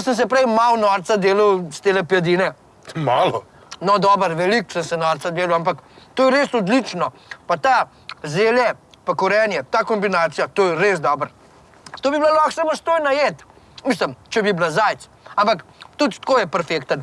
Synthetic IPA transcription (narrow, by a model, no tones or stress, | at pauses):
səns̬ɛpɾɛjmawnɔːɾt̪sad̪eːləwst̪eːlɛpjad̪iːnɛ | maːlɔ | nɔd̪ɔːbəɾʋɛliksənsɛnɔːɾt̪sad̪eːlɐwampakt̪oːjɛɾeːsɔd̪lit͡ʃnɔ | pat̪aː | zeːljɛpɐkɔɾɛːnjɛt̪aːkɔmbinaːt̪sijat̪ojɛɾezd̪ɔbəɾ | t̪oːbiblalɔxsamost̪oːjnajeːt̪ | mis̬ləmt͡ʃɛbiblazaːjt̪s | ampakt̪ut̪t̪koːjɛpɛɾfeːkt̪ən